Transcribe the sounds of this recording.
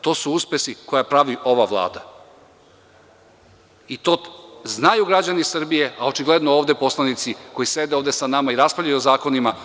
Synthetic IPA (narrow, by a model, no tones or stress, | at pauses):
t̪o̞ːsuuspe̞siko̞japɾaʋiʔo̞ʋaʋlˠa̰ːd̪a | it̪o̞znajuɡɾad͡ʑanisr̩bije̞ao̞t͡ʃiɡle̞d̪nooːʋd̪e̞po̞slˠanit̪siko̞jise̞d̪eoːvd̪e̞sanamaiɾaspaʎajuzaːko̞nima